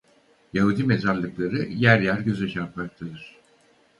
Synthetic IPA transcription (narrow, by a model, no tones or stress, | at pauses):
jaɦud̪ime̞zaɾlˠɯklˠaɾɯjæɾjæɾɟø̞zɛʃʰapmak̚t̪ʰad̪ɯɾ̥